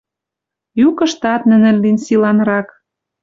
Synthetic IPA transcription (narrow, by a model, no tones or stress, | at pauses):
jukɤ̆ʃt̪ɑt̪nɘ̆nɘ̆lːinsilɑnɾɑk